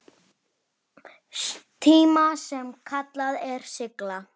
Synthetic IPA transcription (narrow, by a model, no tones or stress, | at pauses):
t̪ʰiːmasɛmkʰat̪laðɛɾ̥sɪkla